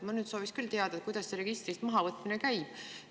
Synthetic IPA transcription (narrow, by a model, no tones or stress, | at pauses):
mɑnyːd̪so̞ːviskylt̪eɑd̪̥ɑet̪kujd̪ɑsːeɾe̞ɡist̪ɾit̪ːmɑɦɑvɤt̪ːˑminekæjb̥̚